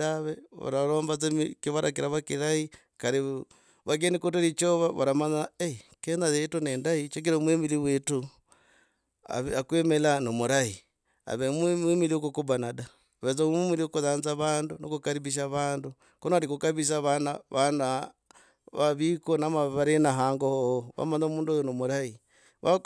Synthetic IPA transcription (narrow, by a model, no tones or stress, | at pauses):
aβeβa̰ɾaɾoːmbat͡semikiβaɾʔa̰kiɾaβakiɾai | kaɾi | βak̬enikoteɾit͡ʃoβaβa̰ɾamaɲaekenaðetuneːndait͡ʃek̬iɾomwemiliβwetu | a̰βakwemelanomuɾai | a̰βemwimiliokukubanada | βet͡somimiliokuðaːnzaβaːnduno̰kukaɾiβiʃ̬aβaːndu | konoaɾikukaβiʃ̬aβanaβana | βaβikonamaβaɾenaɦaːŋɡohohoβa̰maɲomuːnduojonomuɾai | βa̰